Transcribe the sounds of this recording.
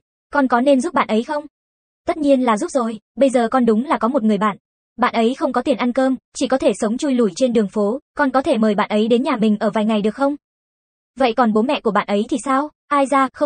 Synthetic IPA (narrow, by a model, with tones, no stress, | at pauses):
kɔ˨˩nkɔ˨˦ne˧mzu˦˥p̚ɓa̰ː˧˨nʔə˨˦jxə˧wŋ͡m | t̪ə˦˥t̚ɲi˧ənlaː˨˩zu˦˥p̚zo˨˩jɓə˧jzəː˨˩kɔ˨˩nɗʊ˨˦ŋ͡mlaː˨˩kɔ˨˦mo˨˩t̚ŋɨ˨˩əjɓa̰ː˧˨n | ɓa̰ː˧˨nʔə˨˦jxə˧wŋ͡mkɔ˨˦t̪i˨˩ənʔa˧nkəː˧mt͡ɕi˧˩kɔ˨˦t̪ʰe˧˩sə˨˦wŋ͡mt͡ɕu˧jlu˧˩jt͡ɕe˧nɗɨ˨˩əŋfo˨˦kɔ˨˩nkɔ˨˦t̪ʰe˧˩məː˨˩jɓa̰ː˧˨nʔə˨˦jɗe˨˦nɲaː˨˩mï˨˩ŋ̟ʔəː˧˩vaː˨˩jŋa˨˩jɗɨ˨˩ək̚xə˧wŋ͡m | və̰˧˨jkɔ˨˩nɓo˨˦mɛ̰˧˨ku˧˩əɓa̰ː˧˨nʔə˨˦jt̪ʰi˨˩saː˧w | ʔaː˧jzaː˧xə˧